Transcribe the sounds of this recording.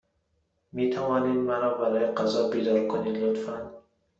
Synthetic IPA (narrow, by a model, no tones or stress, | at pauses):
mit̪ʰavɒːnid̪maɾɔbaɾɒːjeqazɒbid̪ɒɾkʰonid̪lot̪fand̪